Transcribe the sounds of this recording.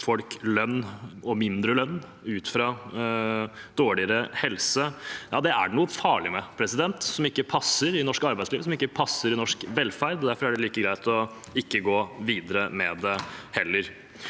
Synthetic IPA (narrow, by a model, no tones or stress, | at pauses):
fɔlklœnːɔmɪnd̪ɾəlœnː | ʉːt̪fɾɑ | d̪̥oːɭɪəɾəhɛlsəjɑːd̪ɛæ̰ɳuːəfɑːɭɪmɛpʰɾɛsɪd̪ɛnt̪sɔmɪkːəpʰɑsəɾɪnɔʂkɑɾbæɪsliːʋsɔmɪkːəpʰɑsːəɾɪnɔʂkʋɛlfæɾd̪ɔd̪æɾfɔɾæɖɛliːkəɡɾæɪt̪ɔ | ɪkːəɡoːʋiːd̪əɾəmɛd̪ɛhɛlːəɾ